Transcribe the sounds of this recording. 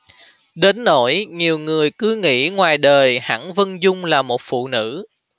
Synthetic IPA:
ɗe˨˦nːo˧˥jɲi˨˩əwŋɨ˨˩əjkɨ˨˦ŋḭ˧˥ŋwaː˨˩jɗəː˨˩jha̰ː˧˥ŋvə˧nzʊ˧ŋ͡mlaː˨˩mo˨˩t̚fṵ˧˨nɨ̰˧˥

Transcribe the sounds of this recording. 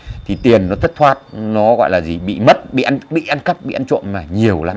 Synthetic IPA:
t̪ʰi˨˩t̪i˨˩ənːɔ˨˦t̪ʰə˦˥k̚t̪ʰwaː˦˥t̚nɔ˨˦ɣɔ̰˧˨jlaː˨˩zi˨˩ɓḭ˧˨mə˦˥t̚ɓḭ˧˨ʔnɓḭ˧˨ʔa˧nkə˦˥p̚ɓḭ˧˨ʔa˧nt͡ɕo̰˧˨nmaː˨˩ɲi˨˩əwlaː˨˦

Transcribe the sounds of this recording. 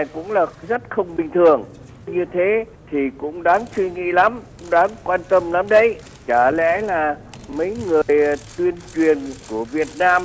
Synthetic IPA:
a˨˩kʊ̰˧˥ŋ͡mlaː˨˩k̚zə˦˥t̚xə˧wŋ͡mɓï˨˩ŋ̟t̪ʰɨ˨˩əŋ | ɲɨ˧t̪ʰe˨˦ | t̪ʰi˨˩kʊ̰˧˥ŋ͡mɗaː˨˦ŋswi˧ŋḭ˧˨la˨˦mkʊ˧˥ŋ͡mɗaː˨˦ŋkwaː˧nt̪ə˧mla˨˦mɗə˧˩j | t͡ɕaː˧˩lɛ̰˧˥laː˨˩ | mə˨˦jŋɨ˨˩əjt̪wi˧ənt͡ɕwi˨˩ənku˧˩əvi˨˩ət̚naː˧m

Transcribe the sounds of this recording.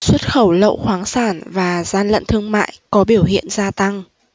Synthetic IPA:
swə˦˥t̚xə˧˩wlə̰˧˨wxwaː˨˦ŋsaː˧˩nvaː˨˩zaː˧nlə̰˧˨nt̪ʰɨ˧əŋma̰ː˧˨jkɔ˨˦ɓi˧˩əwɦḭ˧˨ənzaː˧t̪a˧ŋ

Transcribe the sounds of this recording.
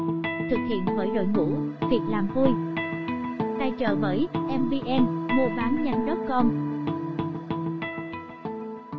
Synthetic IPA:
t̪ʰɨ˨˩k̚hḭ˧˨ənvəː˨˦jɗo̰˧˨jŋṵ˧˥vi˨˩ət̚laː˨˩mvu˧j | t̪aː˧jt͡ɕə̰ː˧˩vəː˨˦jʔɛ˧mvi˧ʔɛ˧mmu˧ɓaː˨˦mɲa˧jŋ̟ɗə˦˥p̚kɔ˧n

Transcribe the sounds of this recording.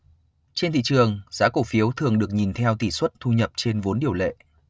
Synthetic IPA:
t͡ɕe˧nt̪ʰḭ˧˨t͡ɕɨ˨˩əŋzaː˨˦ko˧˩fi˨˦əwt̪ʰɨ˨˩əŋɗɨ˨˩ək̚ɲi˨˩nt̪ʰɛ˧wt̪i˧˩swə˦˥t̚t̪ʰu˧ɲə˨˩p̚t͡ɕe˧nvo˨˦nɗi˨˩əwlḛ˧˨

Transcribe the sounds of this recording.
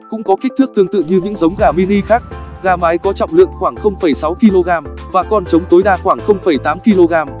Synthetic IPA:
kʊ̰˧˥ŋ͡mkɔ˨˦ki˦˥k̚t̪ʰɨ˦˥ɨ˧˩əŋt̪ɨ̰˧˨ɲɨ˧ɲɨ̰˧˥ŋzə˨˦wŋ͡mɣaː˨˩mi˧ni˧xaː˦˥k̚ɣaː˧maː˨˦jkɔ˨˦t͡ɕɔ̰˧˨ŋ͡mlɨ̰˧˨əŋxwaː˧˩ŋxə˧wŋ͡mfə˧˩jsa˨˦wki˧lo˧ɣaː˧mvaː˨˩kɔ˨˧˩nt͡ɕə˨˦wŋ͡mt̪o˨˦jɗaː˧xwaː˧˩ŋxə˧wŋ͡mfə˧˩jt̪aː˨˦mki˧lo˧ɣaː˧m

